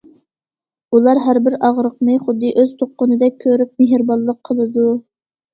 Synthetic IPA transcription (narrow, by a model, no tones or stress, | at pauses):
ulˠɑɾɦæɾbɪɾɑʁɾəqnɨχʊd̪ːɨʔøzt̪ʰoqːʊnɨd̪ɛk̚ʲʰːøɾyp̚meɦɾbɑlˠːəqʰːəlˠɨd̪u